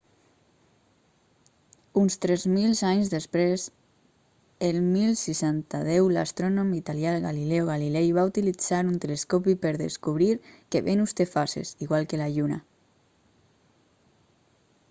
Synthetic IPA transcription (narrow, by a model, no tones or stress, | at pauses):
unst̪ɾɛzmilzaɲzðespɾez | elmilsisant̪að̞ɛwlast̪ɾonomit̪aljalɣalilɛoɣ̞alilɛjβaut̪ilid͡zaɾunt̪eleskopipəɾðḛskuβɾiɾkeβenust̪efasḛsiɣwalˠkelaʎuna̰